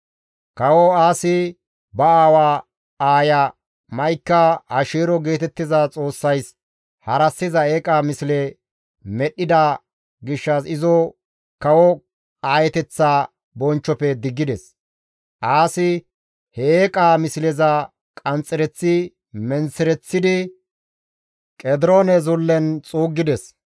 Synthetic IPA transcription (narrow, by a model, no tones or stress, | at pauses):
kɐwɔaːsɪ | bɐaːwaː | aːjɐ | mɐjkːɐhɐʃeːɾɔɡe̞ːt̪ɛt̪ːɪzat͡sʼo̞ːsːɐjs | hɐɾɐsːɪzɐeːkʼaːmɪsɪlɛ | mɛɗːɪd̪a | ɡɪʃːɐsɪzɔ | kɐwɔ | aːjɛt̪ɛt͡sːaː | bɔnt͡ʃːɔpɛd̪ɪɡːɪd̪ɛs | ʔaːsɪ | heeːkʼaːmɪslɛzɐ | kʼɐnt͡sʼːɪɾɛt͡sːɪ | mɛnsɪɾɛt͡sːɪd̪ɪ | kʼɛd̪ɪɾoːnɛzʊlːɛnt͡sʼuːɡːɪd̪ɛs